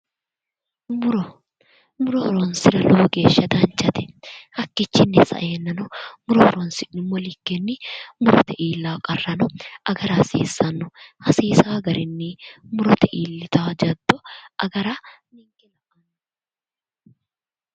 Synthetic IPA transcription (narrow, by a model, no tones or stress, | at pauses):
mʊɾɔ | mʊɾɔɾɔnsɪɾɐloːɡe̞ːʃːɐd̪ɐnt͡ʃːɐt̪ɛ̥hɐkːɪt͡ʃːɪnːɛsɐ̰ʔeːnːɐnʊmʊɾɔɔɾɔnsɪnːɪmːɔlɪkːɛnːɪmʊɾɔt̪ɛʔiːlːaːkʼɐrːɐnɔʔɐɡɐɾaːsḛːsːɐnːʊhɐsiːsaːɡɐɾɪnːɪmʊɾɔt̪ɛʔiːlːɪt̪aːd͡ʒɐd̪ːɔʔɐɡɐɾaː | nɪŋkɛlɐʔɐn